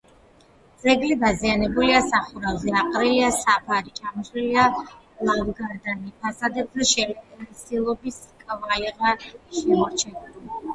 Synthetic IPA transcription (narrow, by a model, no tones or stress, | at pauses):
d̪z̥ɛɡlibazianɛbuliasaχuɾalˠzɛaqʼɾiliasapʰaɾit͡ʃʰamɔʃilia | avɡaɾd̪anipʰasad̪ɛp̪aʃɛlɛsilˠɔbiskʼvaiʁaʃɛmɔɾt͡ʃʰɛna